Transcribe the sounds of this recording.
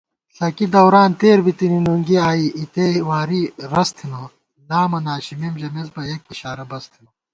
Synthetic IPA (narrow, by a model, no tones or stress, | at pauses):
ɬɐkid̪ɐwɾaːnt̪eːɾbit̪ininuŋɡiaːiit̪ewaːɾiɾɐst̪ʰino | naːmɐnaːɕimimʑɐmezbɐekiɕaːɾɐbɐst̪ʰino